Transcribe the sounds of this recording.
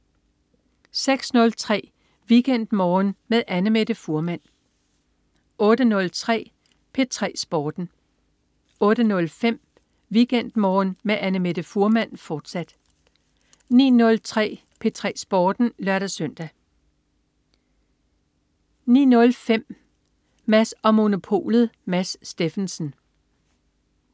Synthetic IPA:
seɡ̥snɔ̽lt͡sʰʁɛ̰ː | ʋiɡ̥en̰d̥mɒːnmeðˠʔænəmed̥əfuɐmæn̰ | ʔɔ̽ːɾ̥ənɔ̽lt͡sʰʁɛ̰ː | pʰe̝t͡sʰʁɛ̰ːsb̥ɒːd̥n̩ | ɔ̽ːɾ̥ənɔ̽lfem̰ | ʋiɡ̥en̰d̥mɒːnmeʔænəme̝d̥əfuɐmæn̰fɒːd̥sæd̥ | nḭːnɔ̽lt͡sʰʁɛ̰ː | pʰe̝t͡sʰʁɛ̰ːsb̥ɒːd̥n̩lɶɐɾ̥æsœn̰d̥æ | nḭːnɔ̽lfem̰ | mæsɒ̽mo̝no̝pʰo̝̰ːlð̩ˠmæsːd̥e̝fnsən̩

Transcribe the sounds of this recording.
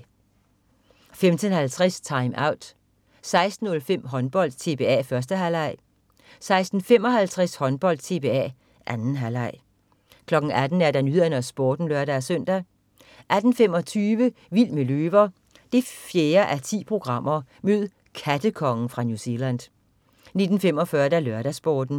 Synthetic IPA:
femt͡sʰənhælt͡sʰʁɛst͡sʰɑ̈ɪmʔɑ̈ʊ̰d̥ | sɑ̈ɪsd̥n̩ːɔ̽lfem̰ɦɒ̽nb̥ɒ̽l̰d̥̚t͡sʰe̝b̥e̝ɛ̰ːfɶɐs̬d̥əɦælɑ̈ɪ̰ | sɑ̈ɪsd̥n̩fem̰ɒ̽ɦælt͡sʰʁɛshɒ̽nb̥ɒ̽l̰d̥t͡sʰe̝b̥e̝ɛ̰ | ʔænn̩ɦælɑɪ̰ | kʰlɒ̽ɡ̥ŋ̩æd̥n̩æɐd̥ænyð̰ˠɐnɐsb̥ɒːd̥n̩lɶɐdæsœn̰d̥æ | ʔæd̥n̩fem̰ɒ̽t͡sʰyːʋəʋil̰meløːʋɐ | d̥e̝fjeːɐʔæt͡sʰḭːpʰʁo̝ɡ̥ʁɑ̈m̰ɐmøð̰ˠ | kʰæd̥əkʰɒ̽ŋn̩fʁɑ̈njuse̝læn̰dˠ | ne̝d̥n̩femɒ̽fɶːɐd̥ælɶɐɾ̥æsb̥ɒːd̥n̩

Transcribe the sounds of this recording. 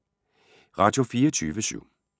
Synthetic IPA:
ʁɑ̈d̥jo̝fiːɐt͡sʰyːʋəɕy̰ʊ̰

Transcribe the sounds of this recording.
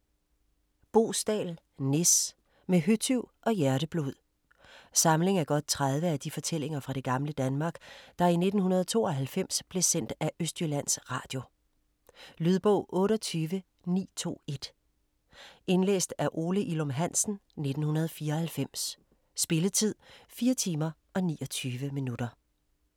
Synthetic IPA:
b̥o̝̰ːsd̥ɛ̰ːl | ne̝s | meɦyt͡sʰyʊʔɒ̽jæɐɾ̥əb̥luð̞̰ˠ | sɑ̈mle̝ŋæɐɡ̥ɒ̽d̥̚t͡sʰʁaðˠʋəæd̥ifɒ̽t͡sʰel̰e̝ŋɐfʁɑ̈ɾ̥e̝ɡ̥ɑ̈mləd̥ænmɑ̈ːɡ̥d̥ɑ̈ine̝d̥n̩hunɐð̞ˠt͡sʰo̝̰ːɒ̽ɦælfem̰sb̥le̝sen̰d̥æʔøsd̥jylæn̰sʁɑ̈ːd̥jo̝ | lyð̞ˠb̥ɔ̰̽ʊ̰ʔɔ̽ːɾɒt͡sʰyːʋə | nḭːt͡sʰo̝̰ːe̝d̥ | e̝nlḛːsd̥æɐʔo̝ːləʔilɔmɦæn̰sn̩ne̝d̥n̩hunɐð̞ˠfiːɐhælfem̰sː | b̥e̝lət͡sʰið̞̰ˠfiːɐt͡sʰiːmɐʔɒ̽nḭːɒ̽t͡sʰyːʋəminud̥ɐ

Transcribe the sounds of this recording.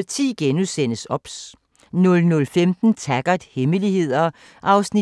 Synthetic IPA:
t͡sʰḭːɡ̥enusen̰əsɒ̽b̥s | nɔ̽lnɔ̽lfemd̥n̩t͡sʰæɡ̥ɐd̥heməlihe̝ð̰ˠɐ | ʔɑ̈ʊsni

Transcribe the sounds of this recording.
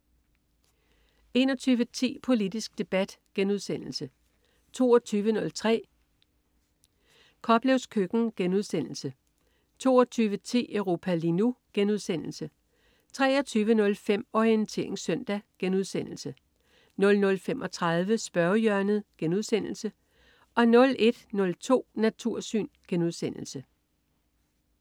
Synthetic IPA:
e̝ːnɒt͡sʰyːʋət͡sʰḭːpʰo̝lid̥isɡ̥̚d̥e̝b̥æd̥ɡ̥enuð̞ˠsen̰l̩sə | t͡sʰo̝̰ːɒt͡sʰyːʋənɔ̽lt͡sʰʁɛ̰ː | kʰɒ̽b̥leʊskʰøɡ̥n̩ɡ̥enuð̞ˠsen̰l̩sə | t͡sʰo̝̰ːɒt͡sʰyːʋət͡sʰḭːœʊʁo̝ːpʰælinuɡ̥enuð̞ˠsen̰l̩sə | t͡sʰʁɛːɒt͡sʰyːʋənɔ̽lfem̰ɒient͡sʰe̝̰ɐ̰e̝ŋsœn̰d̥æɡ̥enuð̞ˠsen̰l̩sə | nɔ̽lnɔ̽lfemʔɒ̽t͡sʰʁɑ̈ð̞ˠʋəsb̥ɶɐjœɐnəð̩ˠɡ̥enuðˠsen̰l̩sə | ʔɒ̽nɔ̽lʔe̝d̥nɔ̽lt͡sʰo̝̰ːnæt͡sʰuɐ̰sy̰ːnɡ̥enuðˠsen̰l̩sə

